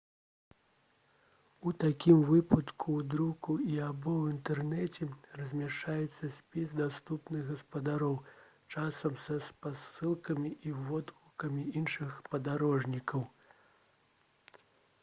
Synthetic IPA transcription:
ut̪akʲimvɨpɐt̪kʰuwd̪ɾukuiabɔwint̪ɛrnɛt͡sʲɛrɐzʲmʲaʂt͡ʂajɛt̪sːɐsʲpʲisd̪ast̪upnɨɣɣɐspɐd̪aɾɔw | t͡ʂasɐmsɐspasɨlˠkɐmʲiʔivɔd̪vukɐmʲiinʂɨxpɐd̪aɾɔʐnʲikɐw

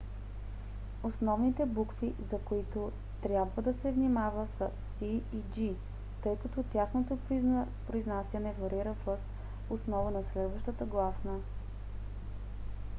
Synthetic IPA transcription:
osnɔvnit̪ɛbukfizɐkoit̪o | t̪ɾʲjabvəd̪ɐsɛvnimavəsəsiːd͡ʒi | t̪ɤjkɐt̪ɔt̪ʲjaxnot̪opɾoiznasʲjɐnɛvɐɾiɾəfɤs | osnɔvənɐslɛd̪vəʃt̪ət̪əɡlˠasnə

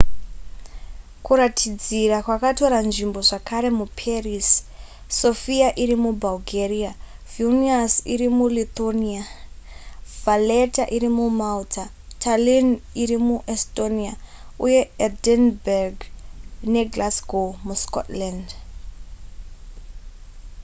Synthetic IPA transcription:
kuɾatʰid͡zirakwakato̞ɾanʐimbo̞ʐakaɾe̞mupʰerisː | o̞fiaʔiɾimubʱalɡʱeriavuniasḭɾimulit̪onia | valetaʔiɾimumautʰa | tʰaliniɾimuʔestoniauje̞edenberɡne̞ɡlasɡomusko̰tland

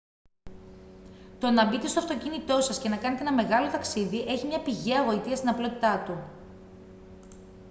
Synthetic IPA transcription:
t̪o̞nɐbit̪e̞st̪o̞ɐft̪o̞cinit̪o̞sɐsce̞nɐkɐnet̪ee̞nɐme̞ɣɐlo̞t̪ɐksiðiʔe̞çimɲɐpiʝeɐɣo̞it̪iɐst̪inɐplo̞t̪i̥t̪ɐt̪u

